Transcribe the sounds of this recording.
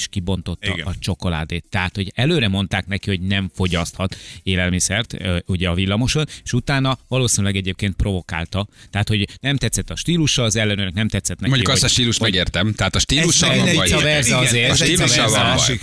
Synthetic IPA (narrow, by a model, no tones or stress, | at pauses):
ʃkibo̞nt̪o̞t̪ːɒ̰ɡʔɒt͡ʃo̞ko̞la̰ːd̪eːt̪ːɛɦat̪ho̞ɟɛløːɾɛmo̞n̪t̪aːknɛkiho̞ɟnɛɱfo̞ɟɒst̪hɒt̪eːlɛlmisɛrt̪uɟɛɒvilːɒmo̞ʃo̞ne̥ʃut̪aːnɒvɒloːsinylɛɡɛɟeːp̚keːnt̪̚pro̞vo̞ka̰ːlt̪ɒt̪ɛɦaːt̪ho̞ɟnɛmt̪ɛt̪sːɛt̪ːɒʃt̪iːluʃːɒɒzɛlːɛnyːnɛknɛmt̪ɛt̪sːɛt̪nɛmoɲɟuiukɒt̪ɒʃt̪iːluʃt̪ɛɡeːrt̪ɛmt̪ɛɦaːt̪ɒʃt̪iːluʃɒvɛrzeːzil̰